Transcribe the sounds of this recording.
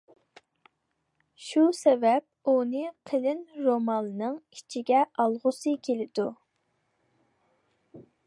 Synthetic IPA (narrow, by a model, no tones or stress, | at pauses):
ʃusɛvɛp̚unɨqʰəlɪnɾomɑnnɨŋit͡ʃʰiɡʲɛʔɑlˠʁʊsɨkʲʰelɪd̪u